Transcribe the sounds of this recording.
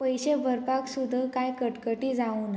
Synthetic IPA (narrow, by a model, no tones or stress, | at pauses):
pəjɕebʱəɾpaksud̪ʱːəkajkəʈkəʈiːd͡zaun